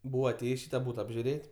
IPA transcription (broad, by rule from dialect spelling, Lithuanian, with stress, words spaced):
ˈbuːʋɐ ɐˈtʲeːjsʲ ˈʃʲiːtɐ ˈbuːtɐ ɐbʲʒʲʊˈrʲeːtʲ